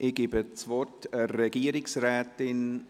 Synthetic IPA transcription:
ʔɪɡ̥ibət͡svɔtəɾɛɡ̥iəɾɪksrɛːtɪn

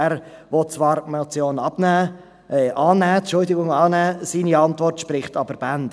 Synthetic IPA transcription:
æɾʋɔtt͡sʋɑːɾmat͡sjoːnɑb̥næː | ʔɑːnæːʃʊldɪɡʊŋɑːnæːsiːniɑntvɔrtʃpɾɪχtɑbəɾb̥ænd

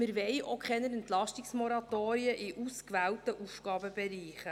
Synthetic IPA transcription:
mɪɾʋɛjʔokχɛnəɾɛnt̪lɑʃtiksmoɾɑt̪oːɾiəʔiʔuskʋæːlt̪əʔufɡ̥ɑːbəbɛɾiːχə

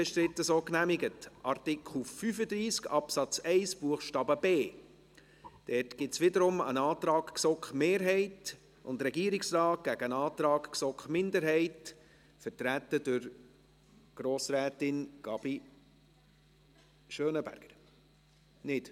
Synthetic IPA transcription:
b̥ɛʃtɾɪtːəsoːknæmɪɡətʔɑɾtɪkʰl̩fyfəd̪ɾiːskɑpsɑt͡sɛɪsb̥uəχʃtɑːbəbeː | d̥ɛtɡ̥ɪtsʋɪdəɾʊmə̰nɑːtɾɑːkksɔkχmeːɾɦɛɪt | ʊndɾɛɡiːɾɪksrɑːt̚ɡ̥æɡ̥ənɑːtɾɑːkksɔkχmɪndəɾɦɛɪt | fəɾtɾæt̪ːəd̥ʊɾ | ɡ̥ɾoːsɾæːtɪnɡ̥ɑb̥i | ʃœːnəbæ̰ɾɡ̥əɾ | nɪt

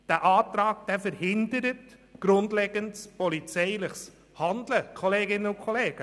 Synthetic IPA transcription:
d̥æʔɑːtɾɑːkd̥ɛːfəɾhɪndəɾət | ɡ̥ɾʊndlɛːɡ̥əntspɔlit͡sɛɪlɪχs | hɑndləkʰɔleːɡɪnəʊkʰɔleːɡ̥ə

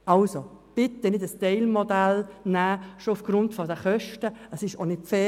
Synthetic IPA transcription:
ɑlso | b̥ɪt̪ːənɪdəstɛɪlmodælnæːʃoʊfɡ̥rʊntfɔdəχœʃtəəsɪʃo̰nɪtfɛ

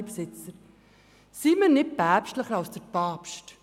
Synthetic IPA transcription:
psɪt͡səɾ | simənɪt̚pæːpʃtləχəɾɑlsd̥əɾpɑːpʃt

